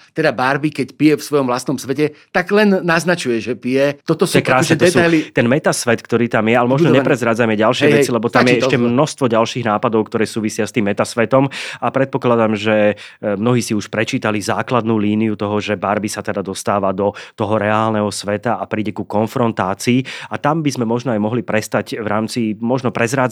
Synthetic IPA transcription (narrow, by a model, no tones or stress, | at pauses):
t̪ɛd̪abaɾbikɛcpijɛfsʋɔjɔmʋlast̪nɔmsʋɛcɛt̪aɡlɛnːaznat͡ʃujɛʒɛpijɛt̪ɔt̪ɔɛkɾaːsɛt̪ɔɛsualit̪ɛnmɛt̪asʋɛt̪kt̪ɔɾiːt̪amjɛalɛmɔʒnɲɛpɾɛzɾad͡zamɛɟalʃɪɛʋɛt͡silɛbɔt̪amɛɛʃcɛmnɔst̪ʋɔɟalʃiːɣnaːpad̪ɔʊkt̪ɔɾɛːsuːʋisɪast̪iːmːɛt̪asʋɛt̪ɔmapɾɛt̪̚pɔklad̪amʒɛmnɔɦiːsiuʃpɾɛt͡ʃiːt̪alizaːklad̪nuːliːnijut̪ɔɦɔʒɛbaɾbisat̪ɛd̪ad̪ɔst̪aːʋad̪ɔt̪ɔɦɔɾɛaːlnɛɦɔsʋɛt̪aʔapɾiːɟɛkukɔnfɾɔnt̪aːt͡siːat̪ambizmɛmɔʒnɔajmɔɦlipɾɛst̪aɟʋɾaːmt͡simɔʒnɔpɾɛzɾaːd͡z